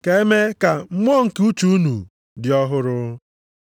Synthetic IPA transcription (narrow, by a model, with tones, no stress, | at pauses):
ke˦e˦me˦ka˨m̩˦m˦ɔ˦ŋ̩˨ku˦t͡ʃu˦u˦nṵ˨ | dɪ˨ɔ˦ɦʊ˦ɾʊ˦